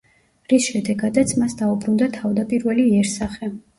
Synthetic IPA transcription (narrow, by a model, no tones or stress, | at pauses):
ɾisʃɛd̪ɛɡad̪at̪sʰmasd̪aubɾund̪at̪ʰavd̪apʼiɾvɛliɛɾsaχɛ